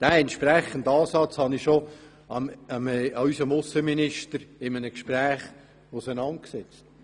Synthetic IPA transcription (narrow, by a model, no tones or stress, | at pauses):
d̥æːɛntʃpɾæχəndɑːsɑt͡shɑniʃo | ɑmmɑysəmʊsəminɪʃtəɾɪmənəkʃpræːχ | ʊsənɑnt̚ksɛt͡st